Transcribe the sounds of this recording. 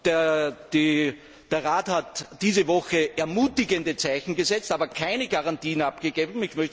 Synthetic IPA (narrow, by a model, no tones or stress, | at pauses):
d̥d̥i | d̥eːɐʁaːthatd̥iːzəvɔxəʔɛɐmuːtɪɡəndət͡saɪçn̩ɡəzɛt͡staːbɐkʰaɪnəɡaʁantiːənapɡ̥əɡeːbm̩ɪçmœç